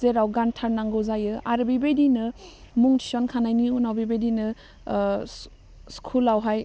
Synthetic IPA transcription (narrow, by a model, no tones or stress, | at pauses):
zeɾawɡantʰaɾnaŋɡɯwzajɯaɾbibedinɯ | muŋtʰi̥sɔnkʰanajniunawbibedinɯ | skʰulawɦaj